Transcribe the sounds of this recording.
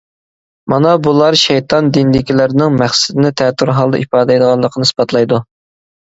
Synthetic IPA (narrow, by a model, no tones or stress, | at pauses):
mɑnɑbulˠɑɾʃɛjt̪ʰɑnd̪inlɪkʲilɪɾɪnɪŋmæχsɪd̪ɪnɪt̪ʰɛt̪ʰːuɾɦɑlˠd̪ɑ̰ʔipɑːd̪ɛjd̪əʁɑlˠːəqʰənɨsbɑt̪ʰlˠɑjd̪u